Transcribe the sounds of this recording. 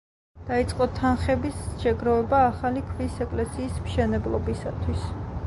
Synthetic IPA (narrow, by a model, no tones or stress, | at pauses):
d̪̥ait̪sʼqʼɔt̪ʰanχɛbisʃɛɡɾɔvɛbaːχalikʰvisɛkʼlɛsiːsmʃɛnɛblˠɔbisat̪ʰwis